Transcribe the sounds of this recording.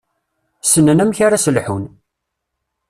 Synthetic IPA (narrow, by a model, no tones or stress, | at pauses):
sənːənæmçaɾasəlħun